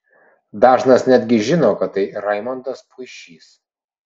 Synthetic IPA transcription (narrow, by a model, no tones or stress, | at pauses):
d̪ɑːʒnɐsnʲæd̪ʲɡʲɪʒʲɪnoːkɐt̪t̪ːɐɪɾɐɪmɐnt̪ɐspʰʊɪʃʲiːs